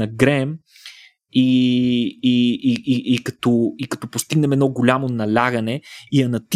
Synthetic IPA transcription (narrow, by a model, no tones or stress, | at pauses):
ɐɡɾɛm | i | iiʔikɐt̪ɔikɐ̥t̪ɔpost̪iɡnɛmɛd̪nɔɡolʲamonɐlʲaɡɐnɛiɐnɐt̪